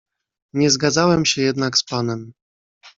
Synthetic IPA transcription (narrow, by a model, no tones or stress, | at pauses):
ɲɛzɡad̪zawɛmɕɛjɛd̪nakspanɛm